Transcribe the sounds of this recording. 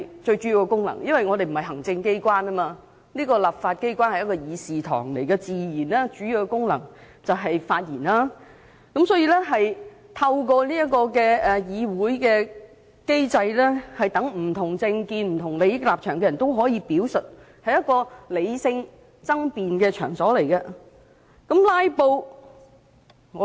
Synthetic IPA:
jt͡ʃɵ˧ɥt͡ʃyː˨˥ji˨˧wkɛ˧kʊ˥ŋlɐ̰˨˩ŋjɐ˥nwɐ˨jŋɔː˨˧d̪e˨m̩˨˩hɐ˨˩jɦɐ˨˩ŋt͡sɪ˧ŋke˥jkʷwaː˥nɐ˥maː˧ | liː˥kɔː˧lɐ˨˩p̚faː˧t̚ke˥jkʷaː˥nhɐ˨jɐ˥tkɔː˧jiː˨˧siː˨t̪ʰɔ̰ː˨˩ŋlḛ˨˩jkɛ˧t͡siː˨jiː˨˩nlɛː˥t͡ʃyː˨˥jiː˨˧wkɛ˧kʊ˥ŋlɐ̰˨˩ŋ | t͡sɐ˨wɦɐ˨jfaː˧t̚jḭː˨˩nlaː˥ | kɐ˨˥msɔː˨˥jiː˧lɛ˥ɦɐ˨j | t̪ʰɐ˧wkɔː˧liː˥ɐ˥t̚kɔː˧kɛː˧ɛ˨jiː˨˧wuː˨˥jkɛː˧ | ke˥jt͡sɐ˧jlɛː˥hɐ˨jt̪ɐ˨˥ŋm̩˨˩t̪ʰʊ˨˩ŋt͡sɪ˧ŋkiː˧nm̩˨˩t̪ʰʊ˨˩ŋle˨˧jɪ˥k̚laː˨p̚t͡ʃʰœː˨˩ŋkɛ˧jɐ˨˩nt̪o˥wɦɔː˨˥jiː˧piː˨˥wsɵ˨t̚ | hɐ˨jɐ˥t̚kɔː˧le˨˧jsɪ˧ŋ | t͡sɐ˥ŋpiː˨nkɛː˧t͡ʃʰœ̰ː˨˩ŋsɔː˨˥le˨˩jkɐ˧ | kɐ˨˥mlaː˥jpo˧w | ŋɔː˨˧

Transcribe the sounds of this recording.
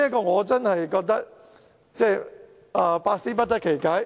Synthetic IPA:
jɐ˥tkɔː˧ŋɔː˨˧t͡sɐ˥nhɐ˨jkɔː˧k̚t̪ɐ˥k̚ | t͡sɛː˥˩ | ʔɐː˨˧paː˧k̚siː˥pɐ˥t̚t̪ɐ˥t̚kʰe˨˩jkaː˥j

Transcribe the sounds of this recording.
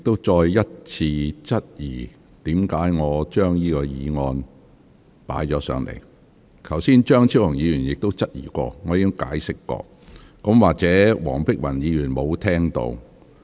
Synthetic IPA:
ɪ˨k̚t̪o˥wt͡ʃɔː˧jːɐ˥t̚t͡sʰiː˧t͡sɐ˥t̚jiː˨˩ | t̪iː˨˥mkaː˨˥jŋɔː˨˧t͡ʃœː˥ŋjiː˥kɔː˧jiː˨˧ŋɔː˧n | pa̰ː˨˥jt͡ʃɔː˨˥sœ̰ː˨˧ŋlḛ˨˩j | k̪ʰɐ˨˩wsiː˥nt͡ʃœː˥ŋt͡sʰi˥whɐ˨˩ŋjiː˨˧jyː˨˩njɪ˨k̚t̪o˥wt͡sɐ˥t̚jḭː˨˩kʷɔ̰ː˧ŋɔː˨˧jiː˨˥ɪ˥ŋkaː˨˥jsɪ˥kːɔ̰ː˧ | kɐ˨˥mwaː˨k̚t͡sɛː˨˥wɔː˨˩ŋpɪ˥k̚wɐ˨˩njiː˨˧jyː˨˩nmo˨˧wt̪ʰɛː˥ŋt̪o̰˧w

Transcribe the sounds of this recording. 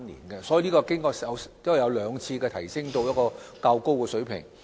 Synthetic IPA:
nnḭː˨˩nkɛ˧sɔ˨˥i˨˧lniː˥kɔː˧kɪ˥ŋkɔː˧ɐ˨˧wt̪ʊ˥˨˩jɐ˨˧wlœː˨˧ŋt͡sʰiː˧kɛː˧t̪ʰɐ˨˩jsɪ˥ŋt̪o˧wjɐ˥kɔː˧kaː˧wko˥wkɛː˧sɵ˨˥ɥpʰɪ̰˨˩ŋ

